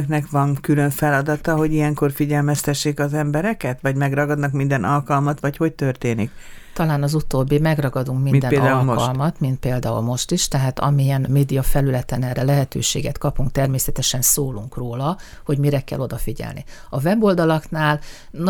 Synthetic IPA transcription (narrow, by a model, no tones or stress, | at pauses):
knɛkʋɒŋkylø̞ɱfɛlɒd̪ɒt̪ɒɦo̞ɟijɛŋko̞rfiɟɛlmɛst̪ɛʃːeːkɒzɛmbɛɾɛkɛt̪ʋɒɟmɛɡrɒɡɒd̪nɒkmind̪ɛnʔɒlkɒlmɒt̪ʋɒcho̞c̚t̪ørt̪eːnik | t̪ɒlaːnɒzut̪oːbːimɛɡrɒɡɒd̪uŋkminmd̪ɛnd̪aɒlkɒlmɒt̪mint̪̚peːld̪aːṵlmo̞ʃt̪iʃt̪ɛɦaːt̪ɒ̰miɛnmeːd̪ijɒfɛlylɛt̪ɛnɛrɛlɛɦɛt̪ø̰ːʃḛːɡɛt̪kɒpuŋk̚t̪ɛrmeːsɛt̪ɛʃɛnsoːluŋkroːlɒ | ho̞ɟmiɾɛkɛ̰lːʔo̞d̪ɒfiɟɛ̰lnḭɒvɛbo̞ld̪ɒlɒknaːl | n